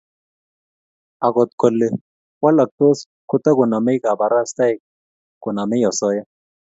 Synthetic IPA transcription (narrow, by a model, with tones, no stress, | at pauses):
ɐ˨kɔ˨t̪kɔ˨lːɪ˨ | wɐ˦lːɐ˨k̚t̪o˦s | kʊ˦t̪ːɐ˦ɡʊ˨nɐ˨mɛ˦jka˨bɐ˨ɾa˦st̪ɐ˦j | kʊ˨nɐ˨mɪ˦jɔ˨sɔ˦ja˦